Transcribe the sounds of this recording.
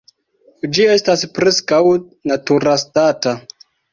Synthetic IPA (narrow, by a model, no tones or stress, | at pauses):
d͡ʒie̞staspɾe̞skaw | natuɾastata